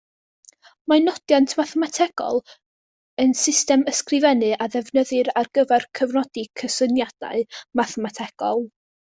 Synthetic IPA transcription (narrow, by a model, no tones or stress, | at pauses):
manɔd̥jantʰmaθɛmatʰɛɡ̥ɔ̰lˠ | ənsɪstɛməskrɪvɛnɨʔaðɛvnəðɨɾarɡ̥əvɛrkʰəvnɔdikʰəsənjad̥a̰ɨmaθɛmatʰɛɡ̥ɔ̰lˠ